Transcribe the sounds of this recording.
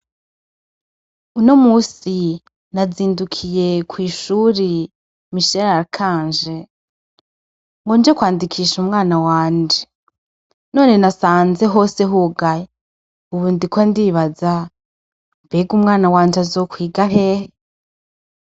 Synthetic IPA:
uno̞muːsi | naziːndukʰije̞kwiːʃuːɾi | miʃeɾakʰaːnd͡ʒe̞ | ŋɡoːnd͡ʒekwaːndikʰiːʃumŋaːnawaːnd͡ʒe | no̞ːne̞nasaːnze̞ɦo̞ːseɦuɡaje | uβuːndikwondiːβaza | mbeːɡumŋaːnawaːnd͡ʒazo̞ːkwiːɡaɦeːhe

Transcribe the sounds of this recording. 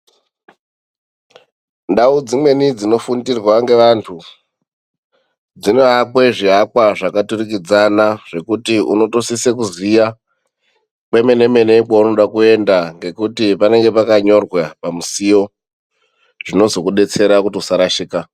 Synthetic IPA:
ndaud͡zimwe̞nid͡zino̞fundirwaŋɡe̞ʋantʰu | d͡zino̞ɦakwe̞ʐiɦakwaʐakaturik̬id͡zanaʐ̥e̞kutiṵno̞to̞sisekuzija | kwe̞me̞ne̞me̞ne̞kauno̞ɗakue̞ndaŋɡe̞kutipane̞ŋɡe̞pakaɲo̞rwapamusijo̞ | ʐ̥ino̞zo̞kuɗe̞t͡se̞ɾakutiusaɾaʃiːka

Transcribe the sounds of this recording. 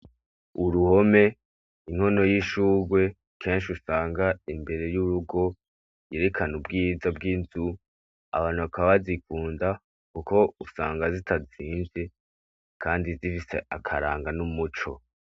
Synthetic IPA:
uɾuho̞me̞ | iŋ̥ho̞no̞jiʃuːɡwe̞ | kʰe̞ːnʃiusaːŋɡaimbe̞ɾe̞juɾuɡo̞ | jeɾe̞kʰanubɡiːzab̚ɡinzu | a̰βaːnhuβakaβazikuːnda | kuko̞usa̰ːŋɡazitʰaziːnze | kʰaːndizifise̞̰ʔakʰaɾa̰ːŋɡanumut͡ʃo̞̰

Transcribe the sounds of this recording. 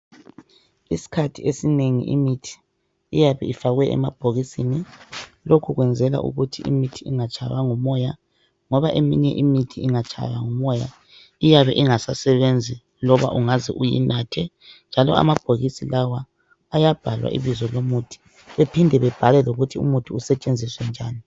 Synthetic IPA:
isi̥kʰatʰiesineŋḭʔḭmitʰi̥ː | jaβɛ̰ifaɣwɛʔɛ̰mab̥ʱoɣisini | lokʰuɣwɛnd͡zʱɛla̰ʔṵɣutʰiḭmitʰiiŋat͡ʃʼajaŋɔmɔja | ŋɔβaʔemiɲɛʔimitʰiiŋat͡ʃʰʼa̰jaŋɔmɔja̰ | ijaβɛ̰ʔiŋasasɛβend͡zʱi | lɔβa̰ʔuŋazḭʔujḭnaːtʰɛ | nd͡ʒʱalɔ̰a̰mab̥ʱoɣisilawaː | jab̥ʱalwa̰ʔḭβizɔlomutʰi̥ | βepʰindʱɛβɛb̥ʱalɛloɣutʰiṵmutʰʼuusɛt͡ʃʼend͡zʱiswɛnd͡ʒʱaːni

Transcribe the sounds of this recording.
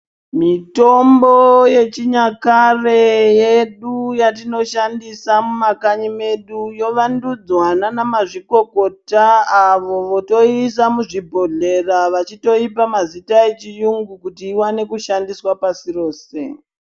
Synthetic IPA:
mito̞mboje̞t͡ʃiɲakare̞je̞ɗujatino̞ʃandisamumakaɲime̞ɗujo̞ʋandud͡zwananamaʐiko̞ko̞taːʋo̞ʋo̞to̞isamuʐibʱo̞ɮe̞raʋat͡ʃito̞ipamazitaet͡ʃijuŋɡukutiːwane̞kuʃandiswapasiro̞ːse̞

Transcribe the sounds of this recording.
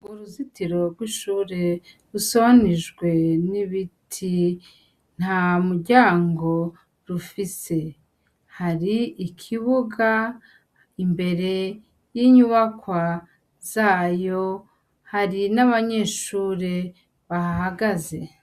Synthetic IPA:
uɾuzitiɾo̞ɾɡwiʃuːɾe̞ | ɾusoβaniʒɡwe̞niβitʰi | n̥hamuɾɟaːŋɡo̞ | ɾufise̞ | haɾiikʰiβuɡa | imbe̞ɾe̞ | jiɲuβakwa | z̥aːjo̞ | haɾinaβaɲe̞ːʃuːɾe̞ | βahahaɡaze̞

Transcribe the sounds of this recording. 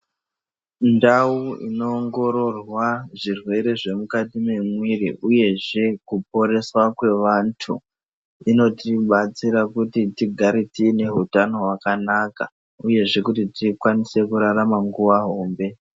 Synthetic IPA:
ndauḭno̞ːŋɡo̞ɾo̞rwaʐirwe̞ɾe̞ʐe̞mukatimemwiriʔuje̞ʐe̞kup̚o̞ɾe̞swakwe̞ʋantʰu | ino̞tiɓat͡siɾakutitiɡʱaɾitine̞ɦutano̞wakanaka | uje̞ʐe̞kutitikwanise̞kuɾaɾamaŋɡuʋaɦo̞ːmbe̞

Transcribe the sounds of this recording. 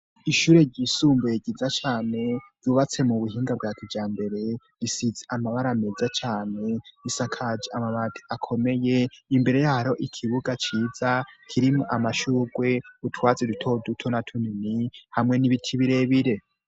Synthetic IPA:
iʃuːɾe̞ɾɟisuːmbojeɟizat͡ʃaːne̞ɟ̥uːβat͡se̞muβuɦiːŋɡab̚ɡaːkid͡ʒaːmbe̞ɾe̞ | ɾisizeʔamaβaɾamezat͡ʃaːne̞isakʰad͡ʒiamaβatʰi̥akʰo̞me̞je̞imbe̞ɾe̞jahaɾo̞ʔikʰiβuɡat͡ʃiːzakʰiɾimoʔamaʃuːɡwe̞utʰwaːt͡sedutʰo̞dutʰo̞natʰuninihamŋe̞niβitʰiβiɾe̞βiɾe̞

